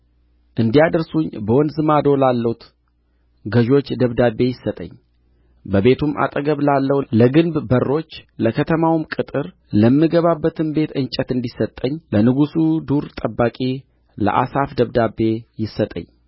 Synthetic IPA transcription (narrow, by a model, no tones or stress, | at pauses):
ʔɨnd̪ijad̪əɾsuɲbəwɔnzɨmad̪o̞lalːəwut̪ | ɡəʒo̞t͡ʃːd̪əβd̪abːe̞jɪsːət̪ʼə̰ɲː | bəbe̞t̪ʰumʔa̰t̪ʼəɡəβlalːəwləɡɨnbbərːo̞t͡ʃːləkʰət̪ʰəmawmkʼɨt̪ʼɨɾ | ləmːɨɡəβabːət̪ʰɨnbe̞t̪ɨnt͡ʃʼət̪ɨnd̪isət̪ʼːəɲːlənɨɡusud̪uɾt̪ʼəbːakʼi | lə̰ʔa̰safd̪əβd̪abːe̞jɪsːət̪ʼə̰ɲː